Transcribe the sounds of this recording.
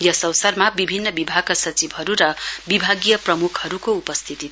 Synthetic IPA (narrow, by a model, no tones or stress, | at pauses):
jʌsʌwsʌrmabibʱinːʌbibʱaɡasʌt͡sibʱɦʌɾuɾʌbibʱaɡijʌprʌmukʰhʌɾukoupʌst̪ʰit̪i